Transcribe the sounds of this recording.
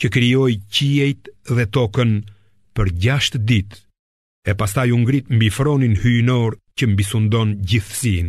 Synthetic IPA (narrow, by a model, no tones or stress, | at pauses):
cəkɾijɔjciɛjt̪ðɛt̪ɔkən | pəɾɟaʃt̪əd̪it̪ | ɛpast̪ajuŋɡɾit̪mbifɾɔninhynɔɾcəmbisund̪ɔnɟiθsin